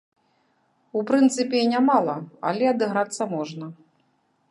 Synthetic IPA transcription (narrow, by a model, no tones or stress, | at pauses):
upɾɨnt̪sɨpʲɛinʲamalˠɐa̰lʲɛɐd̪ɨɣɾat̪sːɐmɔʐnɐ